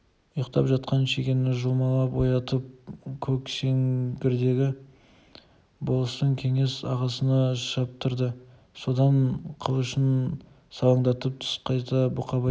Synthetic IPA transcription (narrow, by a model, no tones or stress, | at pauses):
ʊjəqt̪ɑpʒɑt̪̚qɑnʃeɡʲe̞nːɪʒʊlˠmɑlˠɑpwojɑt̪əp̚kʲʰɵkʃe̞ŋɡʲɪɾd̪e̞ɡʲɪ | bolˠəst̪əŋkʲʰe̞ŋe̞sɑʁɑsənɑʒʃɑp̚t̪ʰʊɾd̪ə | so̞d̪ɑnqʰəlˠʊʃən | sɑlˠɑɴd̪ɑt̪əp̚t̪ʰʊ̥sqʰɑjt̪ɑbʊqʰɑbɑ